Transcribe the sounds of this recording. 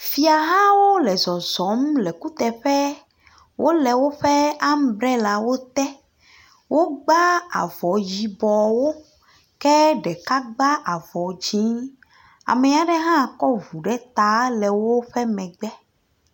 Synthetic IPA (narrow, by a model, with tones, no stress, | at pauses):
fi˨a˨ɦã˦wo˦lɛ˨zɔ˨zɔ˨˦mlɛ˨ku˦t̪ɛ˨ɸɛ˦ | wʔo˦lɛ˨wo˦ɸɛ˦a˦m˦bɾɛ˦la˨wo˦t̪ɛ˦ | wo˦ɡ͡ba˦a̰˨vɔ˨ji˨bɔ˨wo˦ | kɛ˦ɖɛ˨ka˦ɡ͡ba˦ʔa˨vɔ˨d͡ʒĩ˦ | a̰˨mẽ˨a˨ɖɛ˦ɦã˦˨kɔ˦vu˨ɖɛ˦t̪a˨˦lɛ˨wo˦ɸɛ˦mɛ̃˨ɡ͡bɛ˦